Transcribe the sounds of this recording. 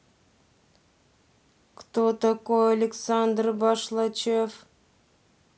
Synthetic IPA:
kt̪ot̪akojalʲɪksand̪rbɑʃlˠat͡ʃef

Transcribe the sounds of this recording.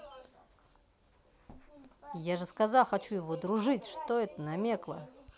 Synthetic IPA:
jaʐɨskazaxɐt͡ɕujɪvod̪ɾuʐɨtʲʂt̪oɛt̪ənɐmʲeklˠə̰

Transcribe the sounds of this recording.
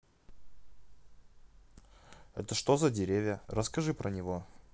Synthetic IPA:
ɛt̪əʂt̪ozɐdʲɪɾʲevʲjərəskɐʐɨpɾənʲɪvo̞

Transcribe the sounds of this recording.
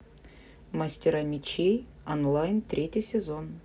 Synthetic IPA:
mɐsʲtʲɪɾamʲɪt͡ɕej | onlˠajnt̪ɾʲetʲɪjsʲɪzon

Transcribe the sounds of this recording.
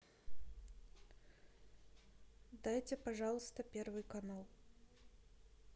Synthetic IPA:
d̪ajt͡sʲɛpaʐalˠst̪ɐpʲɛrvɨkanalˠ

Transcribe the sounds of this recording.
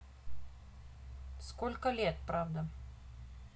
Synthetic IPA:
skɔlʲkəlʲet̪̚pɾavd̪ə

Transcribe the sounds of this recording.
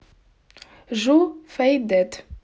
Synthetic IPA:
ʒufæjd̪æt̪

